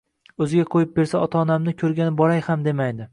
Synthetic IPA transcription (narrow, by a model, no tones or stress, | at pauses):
ɵzɪɡʲaqʰojɪp̚be̞ɾsaɒt̪ʰaɒnamnɪkʲʰɵɾɡʲanɪbɒɾajhamd̪e̞majd̪ɪ